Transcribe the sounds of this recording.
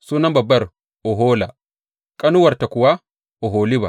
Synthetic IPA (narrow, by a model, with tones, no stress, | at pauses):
suː˦nɐ˦mbɐ˨bːɐ˦ɾ | ʔɔ˨ɦɔː˦la˨ | kʼɐ˦nu˦wɐ˨ɾta˨kʊ˨wa˦ | ʔɔ˨ɦoː˨li˦ba̰˨